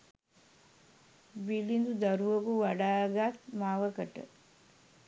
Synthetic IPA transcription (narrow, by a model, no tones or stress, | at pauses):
bilind̪ud̪ɐɾuʋɐkuʋɐɖaːɡat̪maːʋɐkɐʈə̰